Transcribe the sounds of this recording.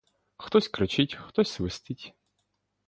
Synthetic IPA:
xt̪ɔsʲkɾɪt͡ʃɪtʲxt̪ɔsʲsʋɪst̪ɪtʲ

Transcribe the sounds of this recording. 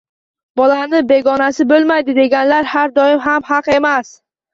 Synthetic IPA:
bɒlanɪbe̞ɡɒnasɪbolˠmajd̪ɪd̪e̞ɡʲanlaɾhaɾd̪ɒɪmɦamhɑqe̞mas

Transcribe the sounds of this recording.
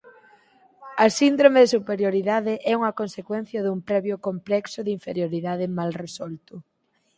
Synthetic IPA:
ɐsind̪ɾomeðɪsupeɾjoɾiðaðɪʔɛuŋɐkonsekwɛn̟θjɐðumpɾɛβjʊkomplɛksʊðiɱfeɾjoɾiðaðɪmalresɔlt̪ʊ

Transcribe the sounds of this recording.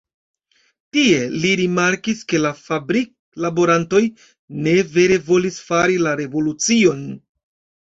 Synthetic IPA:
tie̞liɾimaɾkiske̞lafabɾik̚labo̞ɾanto̞j | ne̞ve̞ɾe̞vo̞lisfaɾilaɾe̞vo̞lut͡sio̞n

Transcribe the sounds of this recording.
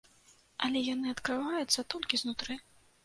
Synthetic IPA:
ɐlʲɛjanɨɐt̪kɾɨvajut̪sːɐt̪ɔlʲkʲiznut̪ɾɨ

